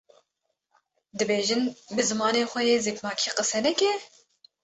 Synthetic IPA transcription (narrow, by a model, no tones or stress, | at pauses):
d̪ɨbeːʒɨnbɨzɨmɑːneːxʷɛjeːzeːkmɑːkʰiːqɨsɛnɛkʲɛ